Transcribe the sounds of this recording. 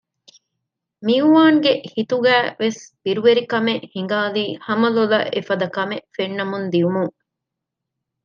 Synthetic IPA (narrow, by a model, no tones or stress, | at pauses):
miuʋaːŋɡehit̪uɡæːʋesb̥iɾuʋeɾikɐmeʔhiŋɡaːliːhɐmɐlulɐ̰ʔefɐd̪ɐkɐmefenːɐmund̪iumuŋ